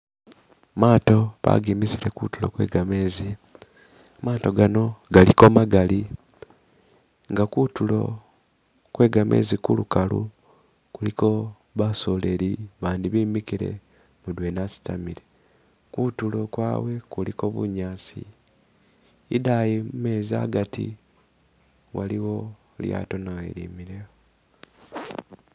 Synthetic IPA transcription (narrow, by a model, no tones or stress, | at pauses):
maːto̞βa̰ɡiːmiziɾe̞kutulo̰kwe̞̰ːɡame̞ːzi | amaːto̞ɡano̞ɡaliko̞maɡali | ŋɡakutulo̞̰ | kwe̞ːɡamʔe̞̰ːzikulukalṵ | kuliko̞ | βaso̞le̞ɾiβaːndiβiːmikiɾe̞̰ | mudwe̞nasi̥tamiɾe | kutulo̞kwa̰ːwe̞kuliko̞βṵɲaːsḭ | dajimume̞ːza̰ɡatḭ | waliwo̞ | lja̰to̞naɣḛɾḭːmiɾeo